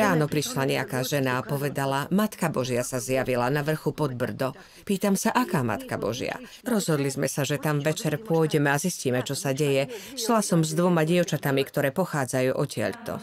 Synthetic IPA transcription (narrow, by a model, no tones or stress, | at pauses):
ɾaːnɔpɾiʃlaɲɛakaːʒɛnaːpɔʋɛd̪alamat̪kabɔʒɪasazjaʋilanaʋr̩xupɔd̪̚br̩d̪ɔ | piːt̪amsaʔakaːma̰t̪kabɔ̰ʒɪa̰ | ɾɔzɦɔd̪lizmɛsaʒɛt̪amʋɛt͡ʃɛɾpʊɔjɟɛmɛazisciːmɛt͡ʃɔsaɟɛjɛ | ʃlasɔmzd̪ʋɔmaɟɪɛʊt͡ʃat̪amikt̪ɔɾɛːpɔxaːd͡zajuːʔɔcɪɛ̰ʎt̪ɔ̰